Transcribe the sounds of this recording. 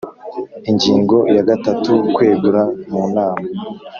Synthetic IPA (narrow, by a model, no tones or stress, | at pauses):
iɲɟiːŋɡo̞jaɡatatukwe̞ːɡuɾamuːnaːma